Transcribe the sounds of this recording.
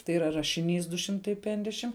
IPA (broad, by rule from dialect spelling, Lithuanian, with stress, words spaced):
tɐɪ iːˈrɐ rɐʃʲɪˈnʲiːs dʊ ˈʃʲɪmtɐɪ ˈpʲɛŋɡdʲɛʃʲɪm